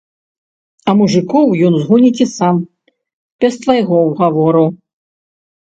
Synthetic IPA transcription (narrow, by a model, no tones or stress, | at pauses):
ɐmuʐɨkɔwjɔnzɣunʲit͡sʲisam | pʲɛst̪vajɣɔwɣavɔɾɨw